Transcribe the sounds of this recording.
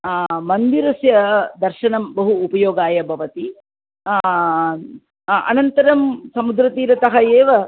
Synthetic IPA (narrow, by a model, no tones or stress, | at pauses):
mɐnd̪iɾɐsjɐd̪ɐɾʃɐɳɐmbɐɦuːpɐjoːɡaːjɐbʱɐʋɐt̪i | ɐ̰nɐnt̪ɐɾɐmsɐmud̪ɾɐt̪iːɾɐt̪ɐɦɐeːʋɐ